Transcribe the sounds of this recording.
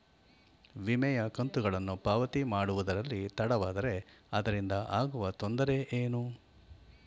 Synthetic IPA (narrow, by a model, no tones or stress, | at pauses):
ʋimɛjɐkɐnt̪uɡɐɭɐnːupaːʋɐt̪imaːɽuʋud̪ɐɾɐlːit̪ɐɽɐʋaːd̪ɐɾe̞ɐd̪ɐɾind̪ɐʔaːɡuʋɐt̪o̞nd̪ɐɾe̞ʔeːnu